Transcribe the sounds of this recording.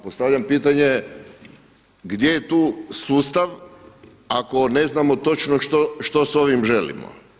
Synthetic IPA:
post̪aʋʎampiːt̪aɲe | ɡd̪je̞jet̪uːsuːst̪aʋ | ako̞ne̞znamot̪o̞t͡ʃnoʃt̪oʃt̪o̞so̞ʋimʒe̞lḭmo̰

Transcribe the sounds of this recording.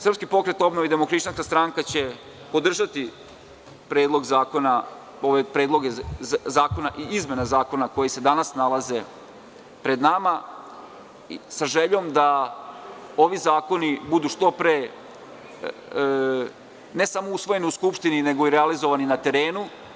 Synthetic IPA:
sr̩pskipo̞kɾe̞t̪o̞bnoʋid̪e̞mokɾit͡ʃanskast̪ɾaŋkat͡ɕe̞ | po̞d̪r̩ʒat̪i | pɾeːd̪lˠo̞ɡzaːko̞na | oʋepɾe̞ːd̪lˠo̞ɡezaːko̞naʔiizme̞nazaːko̞nako̞jese̞d̪anasnalaze̞ | pɾe̞d̪nama | saʒe̞ʎo̞md̪a | o̞ʋizaːko̞nibud̪uʃt̪o̞pɾe | ne̞samo̞usʋo̞je̞niuskupʃt̪inine̞ɡo̞iɾealizo̞ʋaninat̪e̞ɾe̞ːnu

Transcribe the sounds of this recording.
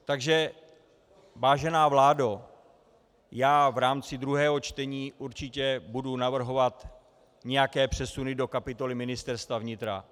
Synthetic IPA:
t̪aɡʒɛ | vaːʒɛnaːvlaːdo | jaːvɾaːmt͡sɪd̪ɾuɦɛːɦo̞t͡ʃt̪ɛɲiːʔuɾt͡ʃɪcɛbudunavr̩ɦo̞vat̪ | ɲɛjakɛːpr̝̥ɛsunɪdo̞kapɪt̪o̞lɪmɪnɪst̪ɛɾst̪vavɲɪt̪ɾa̰

